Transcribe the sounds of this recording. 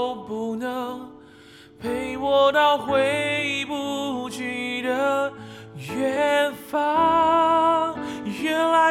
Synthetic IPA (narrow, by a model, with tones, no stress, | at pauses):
ʊpu˧˥nə˧˦ŋ | pʰe˧˥ɪwɔ˨˧t̪ɑ˥˧ʊxwe˧˦˥pu˧˩t͡ɕy˧˥˩d̪ə˨˦ | ɥɛ˦nfa˧ | ɥɛ˧nla˧